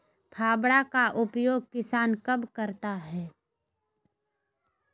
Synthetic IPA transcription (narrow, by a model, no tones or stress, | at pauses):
pʰaːbɽakaʔʊpjoːɡ̚kɪsaːnkɐbkəɾt̪aɦɛː